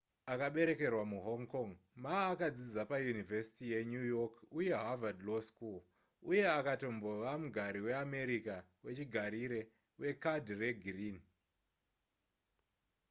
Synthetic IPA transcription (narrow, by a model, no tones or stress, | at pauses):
akaɓe̞ɾe̞ke̞rwamuɦoŋkoŋmaːkad͡zid͡zapajunivesi̥tije̞ɲujokuje̞ɦavadloskul | uje̞akato̞mbo̞ʋamuɡʱaɾiwe̞ame̞ɾikawe̞t͡ʃiɡʱaɾiɾe̞ | we̞kadre̞ɡʱrin